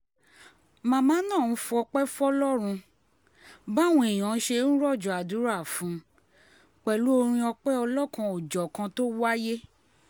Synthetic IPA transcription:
mã˦˧mãː˨˦nã˦˨n̩˦fu˧˦ɔ˧k͡pɛ˦fɔ˦lɔ˦ɾ̃ũ˧ | ba˦˨wũ˧˦e˨j̃ã˨˦ʃe˧˦n̩˦ɾɔ˦˨d͡ʒɔ˨a˨du˨˦ɾa˦˨fũ˨˦ | k͡pɛ˨lu˨˦o˧ɾ̃ĩ˧ɔ˧k͡pɛ˦ɔ˧lɔ˦kã˧o˨d͡ʒɔ˨kã˧to˦wa˦je˦

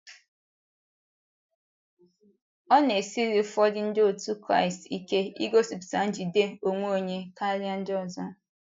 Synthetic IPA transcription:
ɔ˦ne˨si˦ɾi˨˦fɔ˦dɪ˦n̩˦dɪ˦o˨tu˦kɾa̰˦ɪ˨sti˦ke˦ḭ˦ɡo˦si˨psa˨˦n̩˦d͡ʒi˨de˦o˨ŋʷo˦o˦˨ɲe˦ka˦li˦a˦n̩˦dɔ˨zɔ˦

